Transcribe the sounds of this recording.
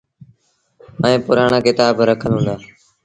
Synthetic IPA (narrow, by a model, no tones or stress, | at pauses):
əẽːpʊɾaːɳaːkɪt̪aːbɾəkʰəlɦũːnd̪aː